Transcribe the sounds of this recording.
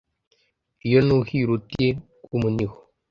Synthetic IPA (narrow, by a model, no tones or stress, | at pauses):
jənuhiɾutie | kumənix